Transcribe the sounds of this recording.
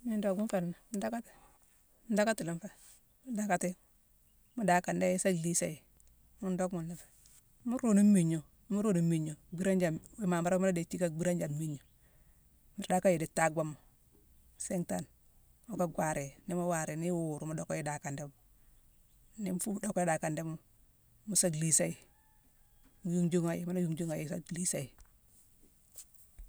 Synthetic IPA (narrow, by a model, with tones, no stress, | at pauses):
mi˦ndo˦kmu˦fe˨lna˨mu˦da˦ka˦ti̥˨˦ | da˦ka˦ti˨li˦m˦fa˦˨ | mu˦da˦ka˨ti˦ | mu˦da˨ka˨nde˦ji˦sa˦ɡli˦sa˨ji˨ | mu˦ndo˦kmu˨nːi˨fḁ˨˦ | mu˦ɾu˨nu˦mi˨ɲo˨˦mu˦ɾu˦˨nu˨˦mi˨ɲo˨bi˦ɾa˦nd͡ʒa˨i˦ma˨ma˦ɾa˦mu˦a˦de˨ti˦ka˦ɡ͡bi˦ɾa˦nd͡ʒa˨nmi˦ɲo˨ | mi˨ɾda˦ka˦ji˨di˨tːa˦˨ɡwa˦mo˨ | se˦ŋta˨n | mu˦ka˦ɡwa˨ɾe˨ni˦ma˦wa˨ɾe˨ni˦wu˨ɾu˨mu˦do˦ka˦ji˦da˨ka˨nde˦mu˨ | ni˦m˦fu˦m˦do˦ko˦i˦da˨ka˨nde˦mu˦ | mu˦sa˦ɡli˨sa˦i˨ | mu˨˦ju˦ŋd͡ʒu˦ŋa˨jma˦la˦ju˦ŋd͡ʒu˦ŋa˨ji˦sa˦ɡli˦sa˦˨i˨